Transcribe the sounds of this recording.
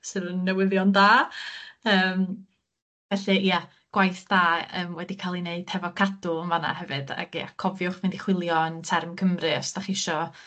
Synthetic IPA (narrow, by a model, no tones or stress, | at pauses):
sɨɾənːɛwɪðjɔndaː | əːm | vɛɬɛija | ɡ̥wajθd̥aːə̰ːmwɛdikʰalˠineɨd̥hɛvɔkʰadʊənvana̰ɦɛvɨd̥a̰ɡja̰kʰɔvjʊχvɪndiχwɪlˠjɔəntʰɛrmkʰəmrɨɔsd̥aχɪʃɔ